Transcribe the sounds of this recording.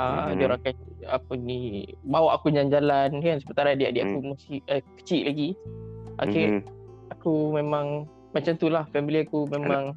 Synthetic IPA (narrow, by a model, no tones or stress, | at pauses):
adioɾaŋkanapənibawaʔakuɲand͡ʒalaniansəmənt̪aɾadiaʔdijaʔkumusiəkə̥t͡ʃiʔlaɡiʔa̰keakumẽmãŋ | mat͡ʃamt̪ulahfɛmiliakumemãŋ